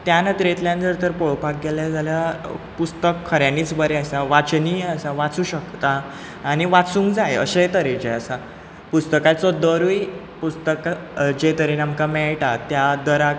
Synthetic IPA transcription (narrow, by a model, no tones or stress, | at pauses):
t̪janət̪ɾet̪ljãnd͡zəɾt̪əɾpoɭpak̚ɡeljad͡zaljapust̪əkʰːəɾjaniːt͡sbəɾeəsaʋat͡sniːəsaʋat͡suːɕəkt̪aː | niʋat͡sũŋkd͡zajə̰ɕet̪əɾed͡ʑeəsa | pust̪əkat͡sɔd̪əɾuj | pust̪əkd͡ʑet̪əɾenamkamɛɭʈat̪jad̪əɾak